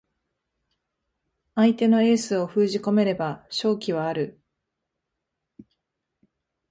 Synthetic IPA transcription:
ait̪e̞no̞e̞ːsɨo̞ɸɯːʑiko̞me̞ɾe̞baɕo̞ːkʲiβ̞aːɾɯ̟

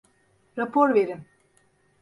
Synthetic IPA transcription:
ɾapʰoɾveɾim

